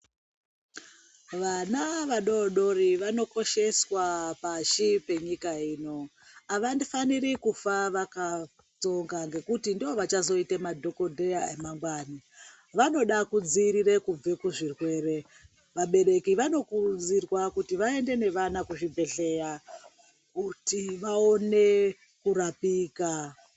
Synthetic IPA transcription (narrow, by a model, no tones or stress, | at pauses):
ʋanaʋaɗo̞ɗo̞ɾiʋano̞ko̞ʃe̞swapaʃipe̞ɲikaiːno̞ | aʋandifanirikufaʋaka | t͡so̞ŋɡaŋɡe̞kutindiʋo̞ʋat͡ʃazo̞itemadʱo̞ko̞dʱejaemaŋɡwaːni | ʋano̞ɗakud͡ziɾire̞kub͡vekuʐirwe̞ːre̞ | ʋaɓe̞ɾe̞kiʋano̞kud͡zirwakutiʋae̞nde̞ne̞ʋanakuʐibʱe̞ɬe̞ja | kutiʋao̞ne̞ | kuɾapiːka